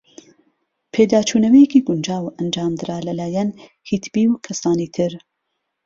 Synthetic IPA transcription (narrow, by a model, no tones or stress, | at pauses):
pʰeːd̪aːt͡ʃʰuːnɐwɛjɛkiːɡʊnd͡ʒaːwʔɐnd͡ʒaːmd̪ɨɾaːlɐlaːjɛn | hit̪ʰbiːwkʰɐsaːniːt̪ʰɨɾ